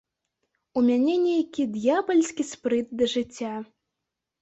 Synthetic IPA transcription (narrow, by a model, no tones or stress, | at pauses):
umʲanʲɛnʲejakʲid̪jabɐlʲsʲkʲispɾɨt̪̚d̪ɐʐɨt͡sʲːa